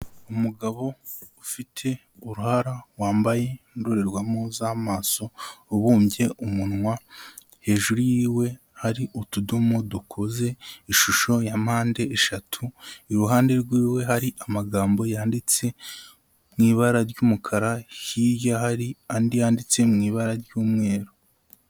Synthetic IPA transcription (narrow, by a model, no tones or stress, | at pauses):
umuɡaβo̞ː | fitʰe̞ | uɾuhaɾawaːmbaje̞nduɾe̞ɾɡwamozamaːso̞ːβuːmbɟe̞ʔumunŋwa | he̞ːʒuɾujiːwe̞ | haɾiʔutudumodukʰo̞ze̞iʃuʃo̞jamhaːnde̞ʔːʃatʰuiɾuɦaːnde̞ɾɡwiːwe̞ɦaɾiʔamaɡaːmbo̞jaːndit͡se̞ | mŋiːβaɾaɾɟuːmukʰaɾajijahaɾiandijaːndit͡se̞mŋiːβaɾaɾɟuːmŋe̞ːɾo